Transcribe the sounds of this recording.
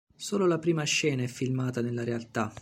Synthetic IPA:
soːlolapɾiːmaʃːɛːnaɛfːilmaːt̪anelːaɾealt̪a

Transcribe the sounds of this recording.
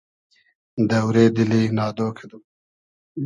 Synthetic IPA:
d̪ɐwɾeːd̪ɪlenɑːd̪oːkʰed̪u

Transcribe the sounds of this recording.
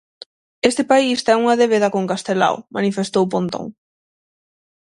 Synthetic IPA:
est̪epaist̪ɛŋuŋɐðeβ̞eðɐkoŋkast̪ela̰wmanifest̪owp̬õnt̪o̰ŋ

